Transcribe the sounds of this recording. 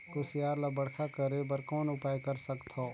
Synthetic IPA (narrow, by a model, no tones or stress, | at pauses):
kʊsjaːɾlabɐɽkʰakɐɾebəɾkɔːnʊpaːjkɐɾsɐkt̪ʰoː